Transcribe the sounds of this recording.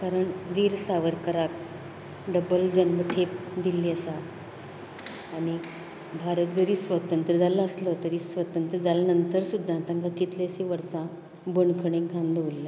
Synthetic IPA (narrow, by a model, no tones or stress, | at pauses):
kaɾəɳʋiːɾsaʋəɾkəɾak̚ | ɖəbəld͡ʑənməʈʰep̚d̪ilːiəsa | ɽ̃i | bʱaɾət̪̚d͡zəɾiːsʋət̪ənt̪ɾəd͡zaləəslət̪əɾiːsʋət̪ənt̪ɾəd͡zalanənt̪əɾsud̪ʱːãt̪ãŋkakit̪lesiʋəɾsã | bəɳkʰəɽẽŋkʰãnd̪ʱʋulːe